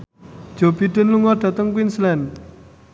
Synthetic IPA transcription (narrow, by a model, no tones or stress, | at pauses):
d̥ʒ̥o̤biɖ̥ənluŋɔɖ̥ä̤t̪əŋkwinslɛn